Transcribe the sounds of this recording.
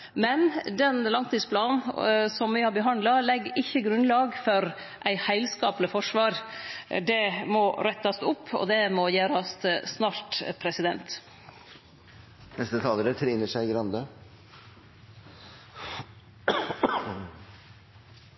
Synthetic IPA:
mɛnd̪ɛnlɑŋt̪iːspʰlɑːnnsɔmʋɪhɑɾbəɦɑnd̪lɑlɛɡːɪçːəɡɾʉnlɑːɡfɔɾ | ʔæɪhæɪlskɑːplɪfɔʂʋɑːɾd̪ɛmɔɾɛt̪ːɑst̪ʊpʰːɔ̰d̪ɛmɔjæːɾɑst̪snɑːɾt̪pʰɾɛsɪd̪ɛnt̪ | nɛst̪ət̪ʰɑːləɾət̪ʰɾɪnəʂæɪɡɾɑnd̪ə

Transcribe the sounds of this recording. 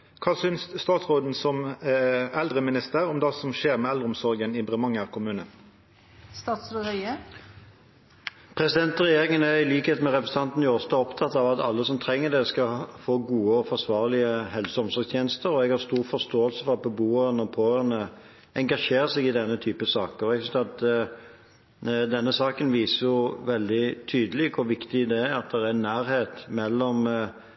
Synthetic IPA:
kʰɑːsʏnsːt̪ɑːt̪sʁoːd̪n̩sɔm | ɛld̪ʁəmɪnɪst̪əɾɔmd̪ɑsɔmʃeːɾmɛːɛld̪ʁəʊmsɔɾɡənɪbʁəmɑŋːəʁkʰʊmʉːnə | st̪ɑːt̪sɾoɾœʏə | pʰʁɛsɪd̪ɛnt̪ʁɛjeːʁɪŋənæʁɪliːkheːt̪mɛʁɛpɾəs̩ɑnt̪n̩jʊɔst̪ɔɔpt̪ʰɑt̪ːɑʋɑt̪ɑ̰lːəsɔmt̪ʰʁɛŋːəd̪ɛskɑfoːɡuːəɔfɔʁsʋɑːʁlɪəhɛlsəɔmsɔɡst̪ʰjeːnəst̪əɾɔɛɡhɑʁst̪uːɾfɔst̪oːəlsəfɔɾʁɑt̪̚bəbuːəɾənəɔpʰoːənə | ɛŋɡɑʂeːɾəsɛɡɪd̪ɛnːət̪ʰyːpəsɑːkəɔɛɡsʏnsɑt̪ | d̪ɛnːəsɑːkənʋiːsəjʊʋɛld̪ɪt̪ʰyːd̪əliːkkʰʊʋɪkt̪ɪd̪ɛɑt̪̚d̪ɛɾæɾnːæːɾheːt̪mɛlːɔm

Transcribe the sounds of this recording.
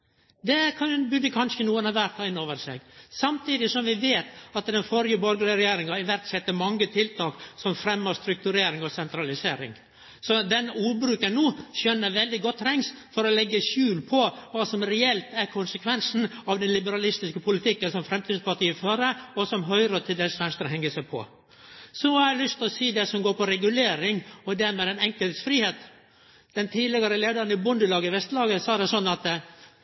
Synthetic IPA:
d̪ɛkʰɑnbʉd̪əkʰɑnʃənuːənɑʋæɾt̪ʰɑɪnːoːʋəɾsɛ̰ːɡsɑmt̪ʰiːd̪ɪsɔmʋɪʋeːt̪ɑt̪d̪ɛnfɔɾjəbɔɾɡlɪəɾɛjeːɾɪŋɑɪʋæɾt̪sɛt̪ːəmɑŋːət̪ʰɪlt̪ʰɑːksɔmfɾɛmːəɾst̪ɾʉk̚t̪ʉɾeːɾɪŋɔsɛnt̪ɾɑlɪseːɾɪ̰ŋ | sɔd̪ɛnuːbɾʉːkənːuːʃœnːəɾʋɛld̪ɪɡɔt̪ʰːɾɛŋs | fɔɾɔlɛɡːəʃʉːlpʰɔʋɑːsɔmɾɛɛlt̪æɾkʰʊnsəkʰʋɛnsn̩ɑʋd̪ɛnlɪbəɾɑlɪst̪ɪskəpʰʊlɪt̪ʰɪkːənsɔmfɾɛmt̪ʰiːd̪spɑʈiːəføːɾəɔsɔmɦœʏɾət̪ʰɪld̪ɛːsʋɛnst̪əɾɦɛŋːəsæɪpʰɔ̰ | sɔhɑɾɛlʏst̪ɔsiːd̪ɛsɔmɡoːɾpɔɾɛɡʉleːɾɪŋɔd̪æɾmeːd̪ɛnɛŋkəlt̪sfɾiːheːt̪ | d̪̥ɛnt̪ʰiːlɪɡɑɾəleːd̪ɑɾənɪbʊnd̪əlɑːɡəʋɛst̪lɑːɡəsɑːd̪ɛsɔnːɑt̪

